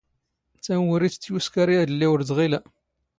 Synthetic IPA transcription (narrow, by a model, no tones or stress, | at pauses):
t͡sːænwəɾit͡st͡sːjuskæɾijæðəlːiwəɾzʁilæ